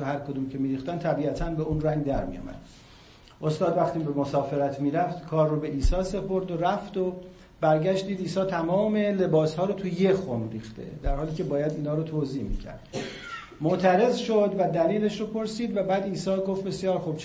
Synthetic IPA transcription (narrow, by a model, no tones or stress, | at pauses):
ohæɾkʰod̪uːmcʰemiːɾiːxt̪ænt̪ʰæbiːæt̪ʰænbe̞unræŋɡd̪æɾmḭjo̰mæ̰d̪̥ | ʔo̞st̪ɒːd̪væχt̪iːbemosɒːfe̞ɾæt̪ʰmiːɾæft̪kʰɒːrːobe̞ʔiːsɒːse̞pʰo̞ɾd̪oɾæft̪o | bæɾɟæʃt̪d̪iːd̪iːsɒːt̪ʰæmɒːme̞le̞bɒːshɒːɾot̪ʰujexonɾiːxt̪e̞̰d̪æɾhɒːliːcʰe̞bɒːjæd̪iːnhɒːɾot̪ʰoːziːhmḭcʰæ̰ɾd̪̥ | moʔt̪ʰæɾe̞zʃod̪væd̪æliːle̞ʃɾopʰo̞ɾsiːd̪væbæːd̪iːsɒːɡoft̪̚be̞sijɒːɾxub̥̚t͡ʃ